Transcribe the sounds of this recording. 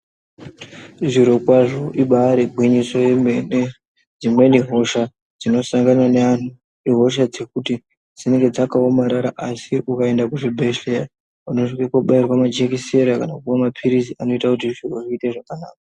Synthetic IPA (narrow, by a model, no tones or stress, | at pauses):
iʐiɾo̞kwaʐo̞ʔiɓaɾebʱwiɲiso̞emene | d͡zimwe̞niɦo̞ʃa | d͡zino̞saŋɡanane̞an̤u | iɦo̞ʃ̬ad͡ze̞kuti | d͡zine̞ŋɡe̞d͡zakaomaɾaɾaʔasiʔukae̞ndakuʐibʱeʃera | unoʐikekoɓairwamad͡ʒekise̞ɾakanakuamapʰiɾiziʔano̞itakut̬iʐoʐiːteʐakanaːk̚a